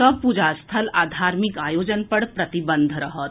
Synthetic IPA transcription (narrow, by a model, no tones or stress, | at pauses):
ɔb̚pud͡ʒast̪ʰəlaːd̪ʱaːɾmikaːjoːd͡ʒənpɐɽpɾɐt̪ibənd̪ʱɾɐɦət̪